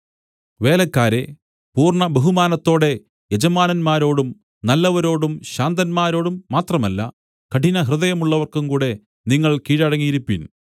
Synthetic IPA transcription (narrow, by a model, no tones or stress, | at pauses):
ʋe̞ːlɐkːaːɾe̞ | puːrɳɐbeɦumaːnɐt̪ːo̞ːɽe̞ | jed͡ʑɐmaːnɐnmaːɾo̞ːɽum | nɐlːɐʋɐɾo̞ːɽumɕaːnd̪ɐnmaːɾo̞ːɽumːaːt̪rɐmɐlːɐ̰ | kɐʈinɐɦrɨðɐjɐmuɭːɐʋɐrkumkuːɽe̞ | niŋːɐɭkiːɻɐɽɐŋːijiɾupːin